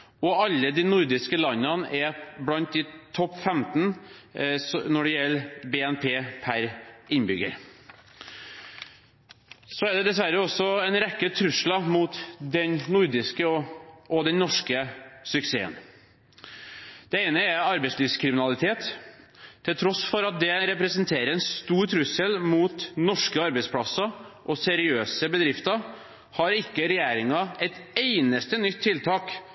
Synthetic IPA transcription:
ɔɑlːəd̪ɪnʊɾd̪ɪskəlɑnːɑnʔɛblɑnt̪̚d̪ɪt̪ʰɔpːfɛmt̪n̩ | snɔɖɛjɛlːbeːɛnpʰeːpʰæɾɪnbʏɡə̰ɾ | sɔæɖ̪ɛd̪ɛsʋæɾəɔsːɔɛɪnɾɛkːət̪ʰɾʉʂlɑmuːt̪d̪ɛnnʊɾd̪ɪskəɔʔɔd̪ɛnnɔʂkəsʏksḛːə̰n | d̪̥ɛeɪnəæɾɑɾbɛɪsliːʋskʰɾɪmɪnɑlɪt̪ʰeːt̪ʰː | ɪlt̪ʰɾɔsfɔɾɑt̪̚d̪ɛɾɛpɾɛsənt̪ʰeːɾəɾɛnst̪uːɾt̪ʰɾʉsəlmuːt̪nɔʂkəɑɾbɛɪspʰlɑsːɑʔɔsɛɾɪøːsəbəd̪ɾɪft̪ɑ | hɑɾɪkːəɾɛjeːɾɪŋɑɛt̪eɪnəst̪ənʏt̪ʰːɪlt̪ʰɑːk

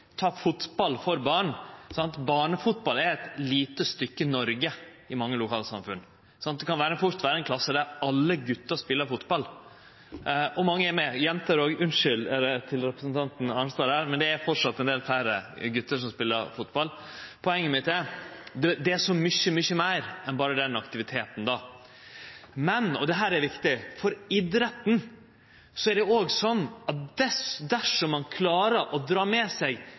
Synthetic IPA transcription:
t̪ʰɑːfʊt̪bɑlfɔɾbɑːɳsɑnt̪bɑːɳəfʊt̪̚bɑlæɾɛt̪liːt̪əst̪ʏkːənɔɾɡə | ɪmɑŋːəlʊkʰɑːlsɑ̰mfʉn | sɑnt̪̚d̪ɛkɑnʋæːɾəfʊɾt̪ʋæːɾəɛnkʰlɑsːəd̪æɾɑlːəɡʉt̪ːəɾspɪlːəɾfʊt̪bɑl | ʔɔmɑŋːəɛɾmɛjɛnt̪əɾoɡʉnʂʏlɛt̪ʰɪlɾɛpɾəsnt̪ʰɑnt̪n̩ɑnst̪oːɾhæːɾmɛnd̪ɛæɾfɔʈʂɑt̪ːɛnd̪eːlfæɾəɡʉt̪ːəʂɔmspɪlːəɾfʊt̪bɑl | pʰɔɛŋːəmɪt̪d̪ɛd̪ɛd̪ɛæʂɔmʏçəmʏçəmæɪɾɛnbɑːɾəd̪ɛnɑkt̪ɪʋɪt̪ʰeːt̪n̩d̪ɑː | mɛnɔd̪ɛɦæːɾæɾʋɪkt̪ɪfɔɾɪd̪ɾɛt̪n̩ | sɔæɖɛoːɡsɔnːɑt̪̚d̪ɛsd̪æʂɔmːɑnkʰlɑːɾəʔɔd̪ɾɑːmɛːsɛɡ

